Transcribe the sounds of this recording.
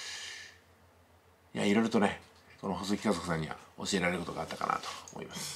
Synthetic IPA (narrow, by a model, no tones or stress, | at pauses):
ja̰iɾo̞iɾɯt̪o̞ne | ko̞noɦosokʲi̥kazo̞kɯ̟sãɲ̟ːiβa̰o̞̰ɕie̞ɾaɾeɾɯ̟ko̞t̪o̞ɡat̪ːaka̰na̰t̪o̥mo̰ḭmasɨ̥